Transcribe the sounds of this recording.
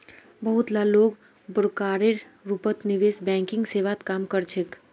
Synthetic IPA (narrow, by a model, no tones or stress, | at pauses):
bəɦut̪laloːɡ | bəɾkaːɾeɾ | ɾupət̪niʋesbɛ̃ːŋkɪ̃ŋɡseʋat̪kaːmkəɾt͡ʃʰek